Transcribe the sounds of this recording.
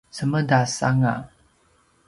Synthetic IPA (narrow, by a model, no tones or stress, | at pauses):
səmədasa̰ŋa̰